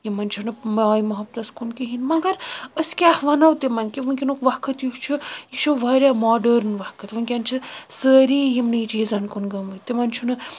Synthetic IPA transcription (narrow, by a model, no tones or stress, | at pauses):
jimɐnt͡ʃʰunɨmaːjimɐɦɐbt̪ɐskunkiɦinmɐɡɐɾəskʲaːhʋɐnaʋt̪imɐnkiʋɐnʲkʲinukʋɐkʰɐt̪juht͡ʃʰujiʃoʋaːɾʲjamaːɖəɾnʋɐhkɐt̪ʋɨnkʲɐnt͡ʃʰisəːɾiːjimnɨit͡ʃiːzɐnkunɡɐmɨt̪imɐnt͡ʃʰunɨ